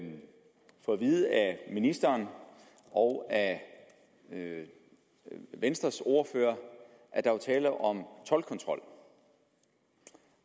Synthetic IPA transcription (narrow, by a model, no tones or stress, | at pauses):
fɒʋiːð̩ˠæminisd̥ɐːn | ʔɒʊæ | ʋensd̥ʁɐso̝ɐføɐ | ʔæɐd̥ɑ̈ot͡sʰɛːləʔɒ̽mt͡sʰɒ̽lkʰɒ̽nt͡sʰʁɒ̽l̰